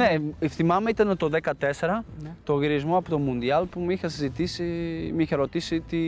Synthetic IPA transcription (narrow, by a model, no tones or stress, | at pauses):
nefθimɐmeit̪ɐnet̪o̞ðekɐt̪e̞se̞ɾɐt̪oɣiɾizmoɐpot̪o̞mund̪iɐlpumixɐsizit̪isimiçɐɾo̞t̪isit̪i